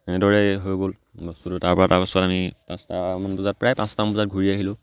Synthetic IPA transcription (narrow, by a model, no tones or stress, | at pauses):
tɛnɛdɔɹɛɦojɡol | ɡɔstutʊtaɹpɔɹataɹkɔsatamipãstamanbuzat̚pɹajpãstabuzat̚ɡʱuɹiaɦilʊ̃